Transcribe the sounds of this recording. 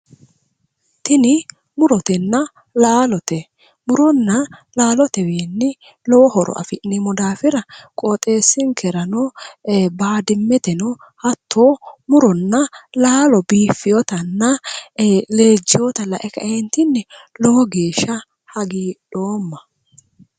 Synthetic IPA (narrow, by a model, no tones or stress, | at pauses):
t̪ɪnɪ | mʊɾɔt̪ɛnːɐ | laːlɔt̪ɛ | mʊɾɔnːɐlaːlɔt̪ɛweːnːɪ | lɔwɔhɔɾɔ̰ʔɐ̰fɪʔnɪmɔd̪aːfɪɾɐkʼɔt̪ʼe̞ːsːɪŋkʰɛɾɐnɔ | baːd̪ɪmːɛt̪ɛnɔ | hɐt̪ʰːoːmʊɾɔnːɐlaːlɔbiːfːɪjɔt̪ɐnːɐ | le̞ːd͡ʒːɪjɔt̪ɐlɐʔɛkɐ̰ʔɛnt̪ɪnːɛlɔwɔɡeːʃːɐ | hɐɡiːɗoːmːɐ